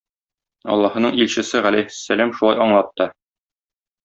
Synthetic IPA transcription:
ɒ̰lˠːɑhɤ̆nɤɴilɕɘ̆sɘʁælæjhɘ̥sːælæmʃulˠɑjɒɴlˠɑt̪ːɤ

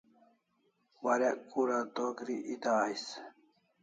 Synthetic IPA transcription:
waɾekuɾad̪okɾiʔit̪aːjs

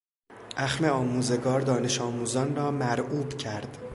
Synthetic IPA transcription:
ʔæxme̞ɒːmuːze̞ɡɒːɾd̪ɒːne̞ʃɒːmuːzɒːnrɒːmæɾʔuːbcʰæɾd̪̥

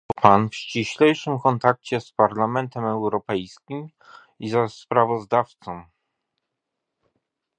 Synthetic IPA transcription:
ɔpanfɕt͡ɕiɕlɛjʂɘmkɔnt̪ak̚t͡ɕɛspaɾlamɛnt̪ɛmɛwɾɔpɛjskʲim | izɛspɾavɔzd̪aft̪sɔ̃m

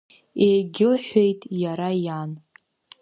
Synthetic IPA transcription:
ejɡʲɪlħʷe̞jtʼjaɾajan

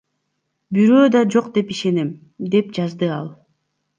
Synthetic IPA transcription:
byɾø̞ːd̪ɑd͡ʒo̞qd̪e̞piʃe̞nem | d̪e̞p̚d͡ʒɑzd̪ɯɑlˠ

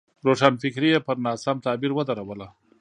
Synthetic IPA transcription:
ɾoʂanfɪkɾijepəɾnɑːsamt̪ɑːbiɾwəd̪aɾawəla

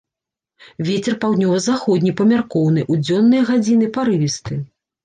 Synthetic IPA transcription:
vʲɛt͡sʲɛrpawd̪nʲɔvɐzaxɔd̪ʲnʲipɐmʲarkɔwnɨʔud͡zʲɔnːɨjɐɣad͡zʲinɨpaɾɨvʲist̪ɨ

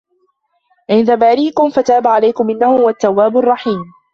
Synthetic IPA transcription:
ʕɪnd̪abaːɾiːkʊmfat̪aːbaʕalajkʊmʔɪnːahʊwat̪ːawːaːbʊrˤːɑħiːm

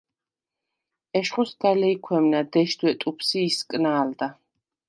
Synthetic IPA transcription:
ɛʃχusd̪alɛikʰwɛmnad̪ɛʃd̪wɛt̪ʼupʰsiːskʼnaːld̪a

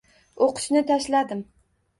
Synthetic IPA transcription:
oqʰʊ̥ʃnɪt̪ʰaʃlad̪ɪm

